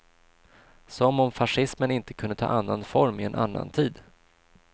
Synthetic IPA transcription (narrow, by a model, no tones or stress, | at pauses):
sɔmɔmfaʂɪsmənɪnt̪ə̥kʰɵnd̪ət̪ʰɑ̰ːʔanːanfɔɾmɪɛnʔa̰nːa̰nt̪ʰiːd̪